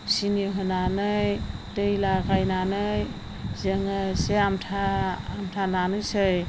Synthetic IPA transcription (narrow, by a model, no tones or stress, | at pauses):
siniɦɯnanɯjdɯjlakajnanɯj | zeŋaseamtʰaːmtʰalanɯjsɯj